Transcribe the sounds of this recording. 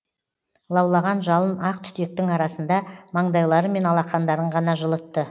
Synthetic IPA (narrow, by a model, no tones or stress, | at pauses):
lˠɑwlˠɑʁɑnʒɑlˠənɑqt̪ʰʏ̥t̪e̞k̚t̪ɪŋɑɾɑsənd̪ɑmɑɴd̪ɑjlˠɑɾəme̞nɑlˠɑqːɑnd̪ɑɾəɴʁɑnɑʒəlˠət̪ːə